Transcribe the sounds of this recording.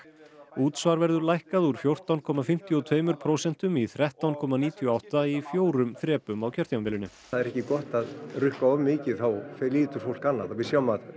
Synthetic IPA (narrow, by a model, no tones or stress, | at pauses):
uːt̪svaɾvɛɾðʏɾlajhkaðuɾ̥fjowr̥t̪awnkʰɔːmafɪm̥t̪iɔt̪ʰveːjmʏɾ̥pʰɾowsɛn̥t̪ʏmiθɾɛht̪awnkʰɔːmaniːt̪ʰjɔawht̪aifjoːwɾʏmθɾɛːpʏmawcʰœɾ̥t̪jawnvɛːlɪnʏ̰ | aðɛɾɛhcɪkɔht̪aðrʏhkaɔmːɪːcɪðθawfɛliːt̪ʏɾ̥fowl̥kanːaðawvɪsjawmat̪